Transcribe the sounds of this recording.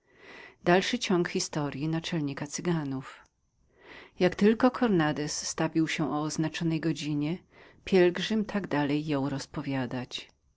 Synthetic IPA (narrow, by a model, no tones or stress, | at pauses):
d̪alʂɘt͡ɕɔŋkxʲist̪ɔɾʲjinat͡ʂɛlɲikat̪sɘɡanuf | jakt̪ɘlkɔkʰɔɾnad̪ɛsːt̪avʲiwɕɛʔɔɔznat͡ʂɔnɛjɡɔd͡ʑiɲɛ | pʲjɛlɡʐɘmt̪ʰaɡd̪alɛjːɔ̃wɾɔspɔvʲjad̪at͡ɕ